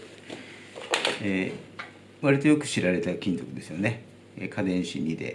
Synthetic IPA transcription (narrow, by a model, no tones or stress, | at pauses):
e | βaɾʲit̪o̞jo̞kɯ̟̥ɕiɾaɾe̞t̪akʲĩnt̪o̞kɯ̟d̪e̞sɨjone̞ | ekʰad̪ẽ̞ɰ̃ɕḭɲʲːid̪e̞̰